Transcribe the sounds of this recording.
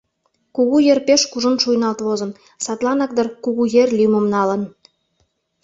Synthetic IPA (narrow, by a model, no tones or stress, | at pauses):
kuɣujerpeʃkuʒə̆nʃujnɑlt̪βozɤ̆n | sɑt̪lˠɑnɑk̚d̪ɤ̆rkuɣujerlʲymə̆mnɑlə̆n